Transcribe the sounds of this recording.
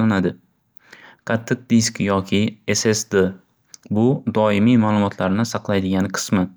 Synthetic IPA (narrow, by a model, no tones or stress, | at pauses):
anad̪ɪ | qʰɑt̪ʰːɨq̚d̪iskjɒkʲʰɪesesd̪e | bʊd̪ɒɪmijmaːlˠʊmɒt̪ʰlaɾnɪsɑqlˠajd̪ɪɡʲanqʰɨ̥smɪ